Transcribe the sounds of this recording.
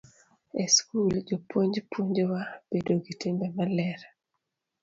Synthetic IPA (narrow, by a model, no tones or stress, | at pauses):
eskuld͡ʒopoɲd͡ʒpuɲd͡ʒowab̥edoɡitimbɛmalɛɾa